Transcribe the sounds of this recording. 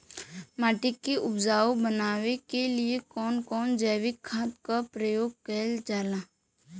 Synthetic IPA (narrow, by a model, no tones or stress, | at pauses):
maːʈɪkːiʔʊbd͡ʒaːobənaːʋekeliekɔːnkɔːnd͡ʒəːʋɪkʰːaːt̪kapɾəjoːɡ̚kəld͡ʒaːlãː